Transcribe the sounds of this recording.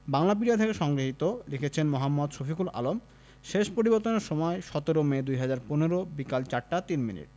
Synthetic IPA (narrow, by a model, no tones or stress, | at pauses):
baŋlap̬iɾiat̪ʰekeʃɔŋɡɾiɦit̪olikʰet͡ɕʰenmɔɦamːod̪ʃofikula̰lom | ʃeʃpoɾiboɾt̪ːoneɾʃɔmɔeʃɔt̪eɾomed̪ujɦad͡ʑaɾponeɾobikalt͡ɕaɾʈat̪inminḭʈ̚